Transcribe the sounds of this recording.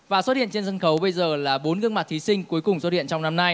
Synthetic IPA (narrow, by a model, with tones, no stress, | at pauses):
vaː˨˩so˦˥t̚hḭ˧˨ənt͡ɕe˧nzə˧nxə˨˦wɓə˧jzəː˨˩laː˨˩ɓo˨˦nɣɨ˧ŋma˨˩t̚t̪ʰi˨˦sï˧ŋ̟ku˨˦jkʊ˨˩ŋ͡mso˦˥ḭ˧˨ə˨nt͡ɕɔ˧wŋ͡mna˧mna˧j